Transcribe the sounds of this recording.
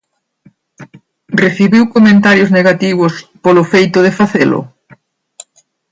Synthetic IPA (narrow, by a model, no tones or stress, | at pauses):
reθiβiwkomẽnt̪aɾjozneɣat̪iβ̞ʊspolʊfejt̪ʊðefaθelʊ̰